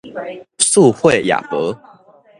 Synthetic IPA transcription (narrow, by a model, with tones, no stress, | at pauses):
su˥˧xwe˥˨ɪja̰˨˩pə˨˦